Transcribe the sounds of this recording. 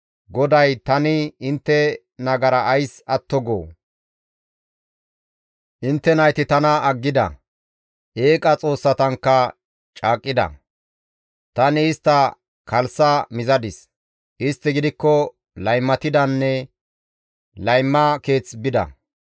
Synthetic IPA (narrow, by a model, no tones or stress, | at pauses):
ɡɔd̪ɐjt̪ɐnɪɪnt̪ːɛ | nɐɡɐɾɐʔːjsɐt̪ːɔɡo̰ː | ʔɪnt̪ːɛnɐjt̪ɪt̪ɐnɐːɡːɪd̪ɐ̰ | ʔe̞ːkʼɐt͡sʼo̞ːsːɐt̪ɐŋkːɐ | t͡ʃʼaːkʼːɪd̪ɐ̰ | t̪ɐnɪːst̪ːɐ | kɐlsɐmɪzɐd̪ɪs | ʔɪst̪ːɪɡɪd̪ɪkːɔ | lɐjmːɐt̪ɪd̪ɐnːɛ | lɐjmːɐke̞ːt͡sbɪd̪ɐ̰